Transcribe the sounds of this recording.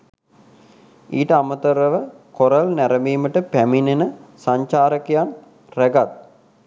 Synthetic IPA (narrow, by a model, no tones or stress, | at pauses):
iːʈəamət̪əɾəʋə | koɾəlnæɾəmiːməʈəpæminenəsaɲt͡ʃaːɾəkejan | ræɡat̪̚